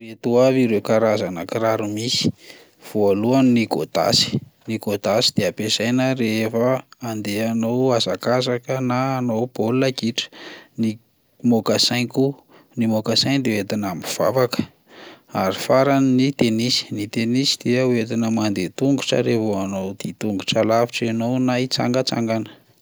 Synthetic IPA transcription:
ret̪uaviɾewkaɾazanəkiɾaɾumisi̥ | v̥oaluanniɡo̰t̪a̰si̥niɡot̪asi̥d̪̥eapesajnəreefəːnd̪eanowazakazakənaːnowb̥oluakiʈ͡ʂə̥ni | mokasajŋku | nimokasajnd̪ewet̪inamiv̥a̰vakə̥ | aɾifaɾaninit̪enisi̥nit̪enisid̪̥eəuet̪inəmand̪et̪uŋɡu̥ʈ͡ʂə̰ɾevoanowd̪̥it̪uŋɡuʈ͡ʂalaviʈ͡ʂenownajt͡sa̰ŋɡət͡sa̰ŋɡanə̥

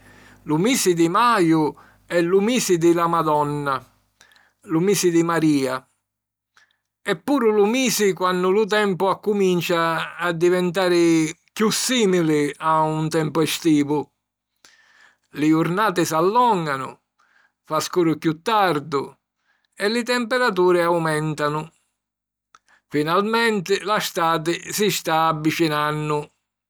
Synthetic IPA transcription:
lumiːsɪd̪ɪmaːjʊ | ɛlːumiːsɪd̪ɪlamad̪ɔnːa | lʊmiːsɪd̪imaɾiːa | ɛpːuːɾʊlʊmiːsɪkwanːʊlʊt̪̬ɛmpʊakːumint͡ʃaːd̪ːivɛnt̪aːɾɪ | kjusːiːmilɪaunt̪ɛmpʊɛst̪iːvʊ | lɪʊɾnaːt̪ɪsalːɔŋɡanʊ̰ | faskuːɾʊkjut̪ːaɾd̪ʊ | ɛlɪt̪ɛmpɛɾat̪̬uːɾɪawmɛnt̪anʊ | finalmɛnt̪ɪlast̪aːt̪ɪsist̪aːvːit͡ʃinanːʊ

